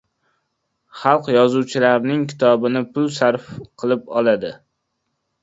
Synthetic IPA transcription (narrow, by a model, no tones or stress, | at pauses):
χɑlˠqjɒzuwt͡ʃʰɪlaɾnɪŋkʲʰɪ̥t̪ʰɒbɪnɪpʰʊlˠsaɾfqʰɨlˠɪpɒlˠad̪ɪ